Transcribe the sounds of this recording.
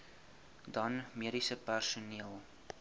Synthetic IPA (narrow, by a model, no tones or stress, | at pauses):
dɐnmiəɾisəpærsuniəlˠ